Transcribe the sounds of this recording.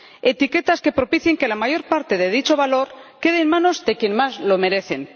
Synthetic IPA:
e̞t̪ike̞t̪aske̞pɾo̞piθjeŋke̞lamaʝo̞ɾpaɾt̪e̞ðe̞ðit͡ʃo̞βalo̞ɾke̞ðeːnmãno̞zðe̞kje̞nmazlo̞me̞ɾe̞θe̞n

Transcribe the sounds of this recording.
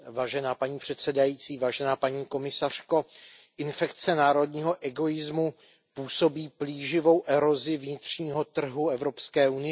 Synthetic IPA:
vaːʒɛnaːpaɲiːpr̝̥ɛt̪sɛdajiːt͡siːvaːʒɛnaːpaɲiːko̞mɪsar̝̥ko̞ʔɪnfɛkt͡sɛnaːɾo̞dɲiːɦo̞ʔɛɡo̞ɪzmu | puːso̞biːpliːʒɪvo̞wʔɛɾo̞zɪvɲɪt̪r̝̥ɲiːɦo̞t̪r̩ɦuɛvɾo̞pskɛːunɪɛ

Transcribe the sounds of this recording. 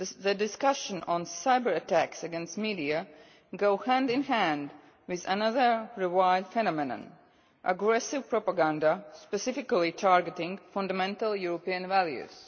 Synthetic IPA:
ðədɪskʌʃə̃nɔ̃nsaɪbəɹətʰæksəɡɛ̃nstmidiɨ | ɡoʊhæ̃ndɪ̃nhæ̃nd | wɪðə̰nʌðə˞ɹɪwaɪdfɛñɔmɪnə̰̃n | ʔəɡɹɛsɪvpɹɔpəɡãndaspɛsɪfɪkəlˠitʰaɹɡətɪ̃ŋɡfʌ̃ndəmɛ̃ntəlˠjuɹopiə̃nvælˠjʉ̰z̥

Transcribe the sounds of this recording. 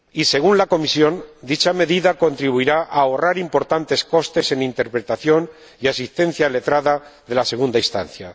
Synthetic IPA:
ise̞ɣ̞unlako̞misjo̞nd̪it͡ʃame̞ðiðako̞nt̪ɾiβuiɾaʔaoraɾimpo̞ɾt̪ant̪e̞sko̞st̪e̞se̞nint̪e̞ɾpɾet̪aθjo̞n | iasist̪ẽ̞n̟θjale̞t̪ɾaðaðe̞lase̞ɣ̞und̪aist̪a̰n̟θja

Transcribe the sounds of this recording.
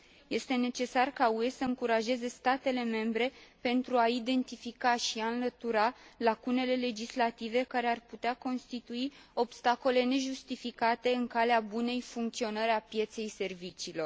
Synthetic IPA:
je̞st̪e̞ne̞t͡ʃe̞sarkaue̞səɨŋkuɾaʒe̞ze̞st̪at̪e̞le̞me̞mbɾe̞pe̞nt̪ɾuaid̪e̞nt̪ifikaʃiaɨnlət̪uɾalakune̞le̞le̞d͡ʒislat̪ive̞kaɾe̞arput̪eako̞nst̪it̪uio̞bst̪ako̞le̞ne̞ʒust̪ifikat̪e̞ɨŋkaleabune̞jfuŋkt̪sio̞nəɾapje̞t̪se̞jse̞rvit͡ʃiːlo̞r

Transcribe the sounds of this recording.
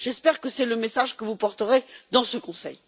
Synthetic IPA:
ʒ̥ɛspɛʁkəsɛləmesaʒkəvupɔʁt̪əʁed̪ɑ̃səkɔ̃sɛ̰j

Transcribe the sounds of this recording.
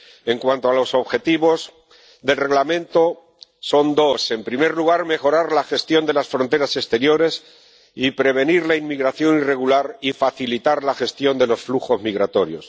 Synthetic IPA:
e̞ŋkwant̪oalo̞so̞βxe̞t̪iβo̞z | ðe̞lre̞ɣlamẽ̞nt̪o̞ | so̞nd̪o̞se̞mpɾime̞ɾluɣ̞aɾme̞xo̞ɾaɾlaxe̞st̪jo̞nd̪e̞lasfɾo̞nt̪e̞ɾase̞st̪e̞ɾjo̞ɾe̞s | ipɾe̞β̞e̞niɾlainmiɣɾaθjo̞nire̞ɣulaɾifaθilit̪aɾlaxe̞st̪jo̞nd̪e̞lo̞sfluxo̞zmiɣɾat̪o̞ɾjos

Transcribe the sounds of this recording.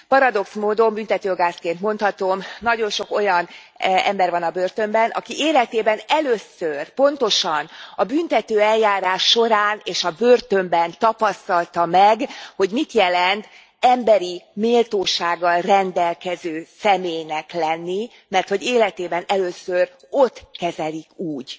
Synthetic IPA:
pɒɾɒd̪o̞ksmoːd̪o̞mbynt̪ɛt̪øːɡaːskeːnt̪mo̞nt̪hɒt̪o̞mnɒɟo̞nʃo̞ko̞jɒn | ɛ̰mbɛrvɒnɒbøːrt̪ømbɛnʔɒ̰kiʔeːlɛt̪eːbɛnɛløːsørpo̞n̪t̪o̞ʃɒnɒbynt̪ɛt̪øːɛljaːɾaːʃːo̞ɾaːneːʃɒbøːrt̪ø̞mbɛnt̪ɒpɒst̪ɒlt̪ɒmɛɡho̞ɟmit̪jɛlɛnt̪ | ɛmbɛɾimeːlt̪oːʃaːɡːɒlrɛnd̪ɛlkɛzøːsɛmeːjnɛklɛnːi | mɛrt̪hoɟeːlɛt̪eːbɛnɛløːsør | o̞t̪kɛzɛlikuːɟ

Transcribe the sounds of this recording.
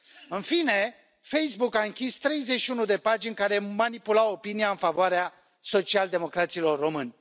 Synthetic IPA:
ɨnfine̞ | fe̞jsbukaɨŋkʲist̪ɾe̞jzet͡ʃʃiunud̪e̞pad͡ʒinʲkaɾe̞manipulawo̞piniaɨnfavoaɾea | so̞t͡ʃiald̪e̞mo̞kɾat̪silo̞rːo̞mɨnʲ

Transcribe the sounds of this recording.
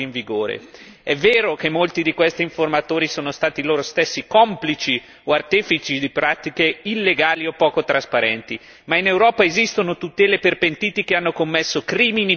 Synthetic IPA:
iɱviɡoːɾḛ | ɛvːeːɾokemːolt̪id̪ikwest̪iːɱformat̪oːɾisoːnost̪aːt̪iloːɾost̪esːikɔmplit͡ʃi | oart̪ɛːfit͡ʃid̪ipɾaːt̪ikeilːeɡaːliopːɔːkot̪ɾaspaɾɛnt̪i | mainewɾɔːpaezist̪onot̪ut̪ɛːleperpent̪iːt̪ikeanːokomːesːokɾiːmini

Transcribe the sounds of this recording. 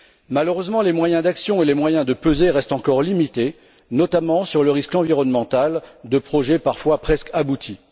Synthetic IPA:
maløʁøzmɑ̃lemwajɛ̃d̪aksjɔ̃elemwajɛ̃d̪əpøzeʁɛst̪ɑ̃kɔʁlimit̪e | nɔt̪amɑ̃syʁləʁiskɑ̃viʁɔnmɑ̃t̪ald̪əpχɔʒɛpaʁfwapχɛskabut̪ʰi

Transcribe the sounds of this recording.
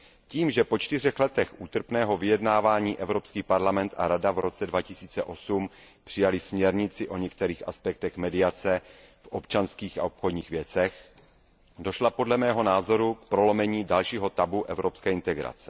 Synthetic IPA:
ciːmʒɛpo̞t͡ʃt̪ɪr̝ɛxlɛt̪ɛxʔuːt̪r̩pnɛːɦo̞vɪjɛdnaːvaːɲiːʔɛvɾo̞pskiːpaɾlamɛnt̪a̰ɾadavɾo̞t͡sɛdvacɪsiːt͡sɛʔo̞sum | pr̥ɪjalɪsmɲɛɾɲɪt͡sɪʔo̞ɲɛk̚t̪ɛɾiːxa̰spɛk̚t̪ɛxmɛdɪjat͡sɛ | fʔopt͡ʃanskiːxa̰opxodɲiːxvjɛt͡sɛx | do̞ʃlapo̞dlɛmɛːɦo̞naːzo̞ɾuk̚pɾo̞lo̞mɛɲiːdalʃiːɦo̞t̪abuʔɛvɾo̞pskɛːɪnt̪ɛɡɾa̰t͡sɛ̥

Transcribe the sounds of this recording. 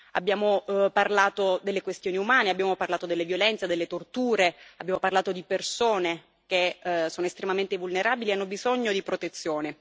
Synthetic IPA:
a̰bːjaːmoparlaːt̪od̪elːekwest̪joːniumaːneabːjaːmoparlaːt̪od̪elːevjolɛnt̪sad̪elːet̪ort̪uːɾeabːjaːmoparlaːt̪od̪ipersoːne | k̟esoːnoest̪ɾemament̪evulneɾaːbilianːobizoɲːod̪ipɾot̪et̪sːjoːne

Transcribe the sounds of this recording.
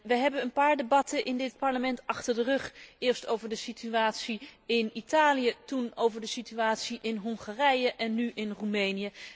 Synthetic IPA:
ʋəɦɛbənənpaːɹdebɑtəʔɪndɪt̚pɑɹləmɛntɑχtəɹdərɵχɪːɹstowvəɹdəsityaːtsiɪnitaːlijətunowvəɹdəsityaːtsiʔɪnɦɔŋχarɛjəʔɛnːyʔɪnrumejnijə

